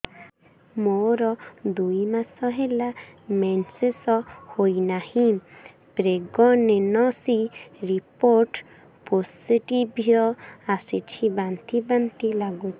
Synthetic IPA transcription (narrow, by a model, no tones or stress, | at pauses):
moɾɔd̪ujmasɔɦelamɛnsesɔhojnahĩ | pɾeɡɔnenɔsiɾipoɾʈ | posiʈibʱjɔasit͡ʃʰibant̪ibant̪ilaɡut͡ʃʰi